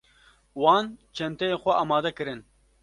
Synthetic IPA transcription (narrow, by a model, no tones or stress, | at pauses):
wɑːnt͡ʃʰɛmt̪ɛjeːxʷɛʔɑːmɑːd̪ɛkɨɾɨn